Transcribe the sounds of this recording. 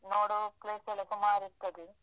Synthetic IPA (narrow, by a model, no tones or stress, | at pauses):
noːɽupleːsɐlɐsɐmaːɾit̪ːɐd̪i